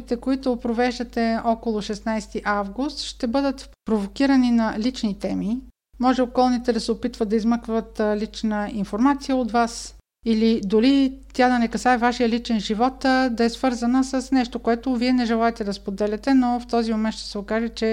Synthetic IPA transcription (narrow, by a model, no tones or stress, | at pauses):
it̪ɛkoit̪ʊpɾovɛʒd̪ət̪ɛɔkolˠʊʃɛsnajst̪iʔavɡust̪ʃt̪ɛbɤd̪ət̪ | pɾovokiɾəninɐlit͡ʃnit̪ɛmi | mɔʒɛokɔlˠnit̪ɛd̪ɐsɛopit̪vəd̪ɐizmɤkvət̪lit͡ʃnəinfoɾmat̪sijəot̪vas | ilid̪olit̪ʲad̪ɐnɛkɐsaɛvaʃijəlit͡ʃɛnʒivɔt̪d̪ɐɛsv̥ɤɾzənəsəsnɛʃt̪okoɛt̪ʊviɛnɛʒɛlˠaɛt̪ɛd̪ɐspod̪ɛlʲɛt̪ɛnoft̪ɔzimomɛnt̪ʃt̪ɛ̥sɛokaʒɛt͡ʃɛ